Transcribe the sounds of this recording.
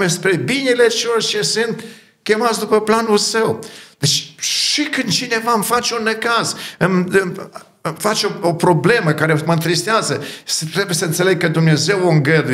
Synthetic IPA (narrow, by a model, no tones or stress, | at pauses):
espɾe̞binelet͡ʃelorʲʃesɨnt̪ | kʲe̞mat̪sʲd̪upəplanulsəwd̪̥et͡ʃʲʃikɨnd̪t͡ʃine̞vamfat͡ʃunːəkazɨmɨ | fat͡ʃʲoopɾo̞ble̞məkaɾeməɨnt̪ɾist̪eazəʃit̪ɾe̞bujesəɨnt̪se̞le̞ɡ̚kəd̪umne̞ze̞woɨŋɡəd̪u